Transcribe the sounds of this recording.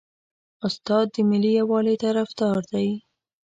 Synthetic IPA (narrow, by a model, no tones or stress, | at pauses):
ʊst̪ɑd̪̚ːəmɪlːijawɑlet̪aɾafd̪ɑɾd̪aj